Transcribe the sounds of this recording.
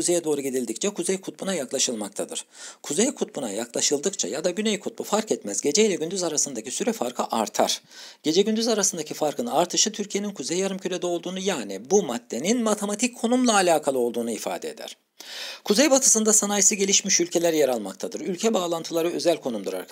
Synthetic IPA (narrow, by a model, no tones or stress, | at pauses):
uzejɛd̪o̞ːɾuɟid̪ilʲd̪ic̚t͡ʃʰɛkʰuzejkʰut̪̚bunajaklˠaʃɯlˠmak̚t̪ʰad̪ɯ̰ɾ̥kʰuzejkʰut̪̚buna̰jaklˠaʃɯlˠd̪ɯkt͡ʃʰa̰jad̪aɟynejkʰut̪̚bufaɾkɛt̪mæzɟe̞d͡ʒɛjlʲɛɟynd̪yzaɾasɯnd̪acʰisyɾɛfaɾkʰɯʔaɾt̪ʰaɾ̥ɟ̥e̞d͡ʒɛɟynd̪yzaɾasɯnd̪acʰifaɾkʰɯnaɾt̪ʰɯʃɯt̪ʰyɾcʰije̞ninkʰuzejjaɾɯmcʰylʲed̪ɛo̞lˠd̪uːnujaːnibumad̪ːe̞ninmat̪ʰemat̪ʰickʰːo̞numlˠaːlʲaːkʰalˠɯo̞lˠd̪uːnuifa̰ːd̪eed̪æ̰ɾ̥ | kʰuzejbat̪ʰɯ̥sɯnd̪asanajsɯɟe̞lʲiʃmiʃylʲcʰe̞lʲæɾjeɾalˠmakt̪ʰad̪ɯɾylʲcʰɛbaːlˠant̪ʰɯlˠaɾɯø̞zælʲkʰo̞numd̪uɾa̰ɾ